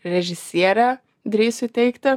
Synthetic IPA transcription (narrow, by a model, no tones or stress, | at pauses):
ɾʲɛʒʲɪsʲiɛɾʲæ | d̪ʲɾʲiːsʲʊt̪ʲɛɪkt̪ɐ